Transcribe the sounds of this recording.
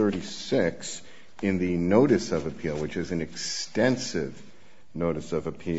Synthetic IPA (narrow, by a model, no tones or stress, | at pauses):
ɜ˞ɾisɪks | ɨ̃nðɨnoʊɾɨsʌvɨpʰilˠwɨt͡ʃɨzɨ̃nɨkstɛ̃nsɪv | noʊɾɨsʌvɨpʰi